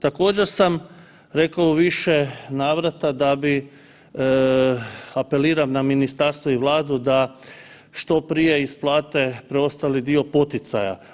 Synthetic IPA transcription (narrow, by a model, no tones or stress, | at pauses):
t̪ako̞ːd͡ʑe̞ɾsam | ɾe̞kaoʋiʃe̞naːʋɾat̪ad̪abi | ape̞liːɾamnaminist̪aɾst̪ʋoiʋlˠaːd̪ud̪a | ʃt̪o̞pɾije̞isplˠaːt̪e̞pɾeo̞st̪alid̪io̞po̞t̪it̪sa̰ja̰